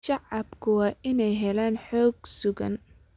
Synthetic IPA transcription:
ʃɑʕɑbkʰʊwɑːʔɪnɛjɦɛlaːnħɔːɡ̚sʊɣɐ̰n

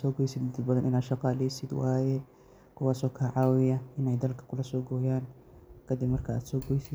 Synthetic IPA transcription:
sɔːɡɔjsɪd̪d̪ɐd̪bɐðɐnʔɪnaːd̪ʃɑqɑːlɛjsɪd̪waːjɛ | kʰʊwaːsɔːkʰaːʕɑːwɪjɐʔɪnɛjd̪ɐlkʰɐ̥kʰʊlɐsɔːɡɔːjaːn | kʰɐd̪ɪbmɐrkʰɐa̰ːd̪sɔːɡɔjsɪd̪

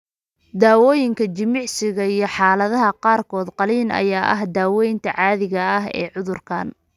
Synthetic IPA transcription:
d̪aːwɔːjɪŋkʰɐt͡ʃɪmɪʕsɪɣɐijɞħɑːlɐðɐɦɐqɑːrkʰɔːd̪qɑliːnɐ̰jaːʔɐ̰ɦd̪aːwɛːjnt̪ʰɐʕɑːðɪɣɐɐɦɛ̰ːʕʊðʊrkʰa̰ːn

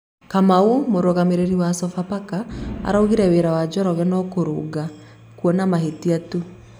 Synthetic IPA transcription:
kamaumoɾoɣameɾeɾiwasɔfapakaa̰ɾaoɣiɾɛweɾawad͡ʒɔɾɔɣɛnɔkoɾo̰ɡa | kwɔnamaɦetiatu

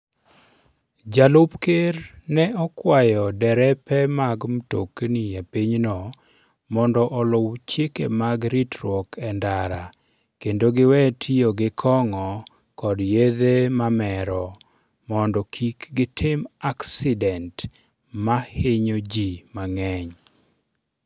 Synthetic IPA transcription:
d͡ʒalʊpkeɾnɛɔkwajɔdɛɾɛpɛmaɡmtokniepiɲnɔ | mɔndɔʔɔlʊwt͡ʃjekḛmaɡɾitɾwɔkɛndaɾa | kendoɡɪwɛtʰioɡɪkʰɔŋɔ | kɔdjed̪emamɛɾɔ | mɔndɔkʰikɡɪtʰɪmaksɪdɛnt | maheɲod͡ʒimaŋɛɲ

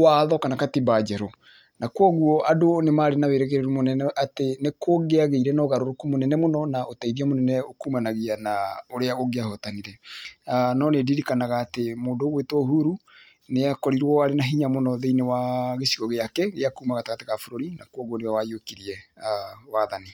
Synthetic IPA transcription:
waðɔkanakatibad͡ʒɛɾo | nakwɔɣuɔʔadonemaːɾenaweɾɛɣeɾeɾumonɛnɛʔatenekoɣeaɣeiɾɛnɔɣaɾoɾokumonɛnɛmonɔnaotaiɾiamonɛnɛokuːmanaɣianaoɾeaoɣeahotaniɾɛanɔnediɾikanaɣaːtemoːndoːɣwetwɔɦuɾu | neakɔɾiɾwɔaɾenaɦiɲamonɔðeinewaɣesiɣɔɣeakɛɣeakuːmaɣataɣateɣafoɾoɾinakwɔɣwɔnewawajokiɾiɛ | waðani

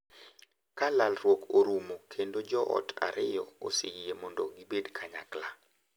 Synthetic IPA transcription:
kalalrwokoɾumokʰendod͡ʒɔʔɔ̰tʰa̰ɾʔɪjɔo̰seɡiemɔndoɡibedkʰaɲa̰kla

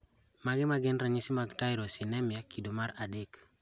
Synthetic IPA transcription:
maɡɪmaɡɪnɾaɲisimaɡtajɾosinɛmjakʰidomaɾadek

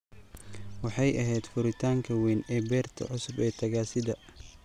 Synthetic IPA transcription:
wɑħɑjʔɐɦɛjd̪fʊɾɪt̪ʰaːŋkʰɐwiːnɛːbɛːrt̪ʰɐ̰ʕʊsʊbɛːt̪ʰɐɣaːsɪðɐ

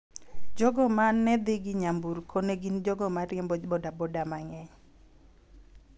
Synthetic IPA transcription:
d͡ʒɔɡɔmanːɛd̪ɪɡɪɲambuɾkʰoneɡind͡ʒɔɡɔmaɾɪɛmbɔbɔdabɔdamaŋɛɲ

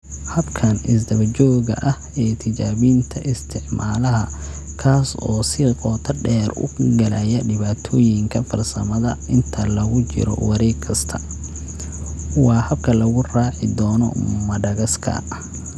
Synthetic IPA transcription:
hɐbkʰɐnɪsd̪ɐβɐt͡ʃɔːɣɐ̰ʔɐhɛːt̪ʰɪt͡ʃaːβiːnt̪ʰɐʔɪst̪ʰɪʕmaːlɐɦɐ | kʰaːsɔːsɪqɔːt̪ʰɐɖɛːrʊ̰ɡɐlɐjɐɖɪβaːt̪ʰɔːjɪŋkʰɐfɐrsɐmɐðɐɪnt̪ʰɐlɐɣʊt͡ʃɪ̰ɾɔ̰wɑɾɛːɡkʰɐst̪ʰɐ | wɑːhɐbkʰɐlɐɣʊraːʕɪd̪ɔːnɔ̰mɐɖɐɣɐskʰɐ̰

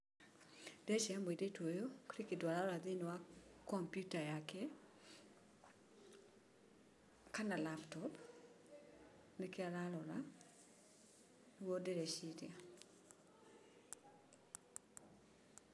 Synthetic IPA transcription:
d̥ɛʃɛmwedetojokɾikitwaɾaɾɔɾad̪inwakɔmpjutajakɛ | kanalaptɔp | nekɪaɾalɔɾa | wodɛɾɛʃiɾḭa

